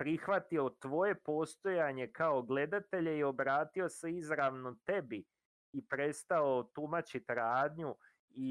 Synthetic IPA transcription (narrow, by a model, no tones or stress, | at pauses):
pɾixʋat̪io̞t̪ʋo̞je̞po̞st̪o̞jaɲe̞kao̞ɡle̞d̪at̪e̞ʎe̞io̞bɾaːt̪io̞se̞izɾaʋno̞t̪e̞bi | ipɾe̞st̪ao̞t̪umat͡ɕit̪ɾaːd̪ɲu | i